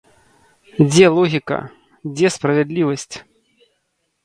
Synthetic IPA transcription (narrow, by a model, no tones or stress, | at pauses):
d͡zʲɛlˠɔɣʲikɐ̰ | d͡zʲɛspɾɐvʲɛd̪lʲivɐsʲt͡sʲ